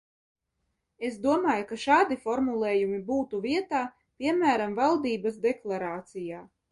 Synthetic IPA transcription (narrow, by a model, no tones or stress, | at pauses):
esd̪uɔmaːjukaʃaːd̪ifɔɾmulˠeːjumibuːt̪uviɛt̪aː | pʲiɛmæːɾamvalˠd̪iːbasd̪eklˠaɾaːt̪sijaː